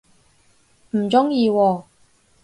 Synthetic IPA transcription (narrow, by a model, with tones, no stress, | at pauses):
m̩˨˩t͡sʊ˥ŋjiː˧wɔː˧